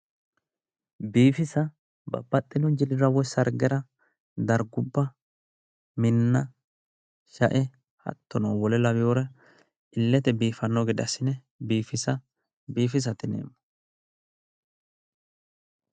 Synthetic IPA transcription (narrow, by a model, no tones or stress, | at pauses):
biːfɪsɐ | bɐ̰bːɐt̪ʼːɪnʊd͡ʒɪlɪɾɐwɔjsɐɾɡɛɾɐ | d̪ɐɾɡʊbːɐ | mɪnːɐ | ʃɐʔɛ | hɐ̰t̪ːɔnɐwwɔlɛlɐβɪjoɾɛ | ʔɪlːɛt̪ɛbiːfɐnːɔɡɪd̪ɐsɪnɛ | biːfɪsɐ | biːfɪs̬ɐt̪ɪnḛːmːʊ̥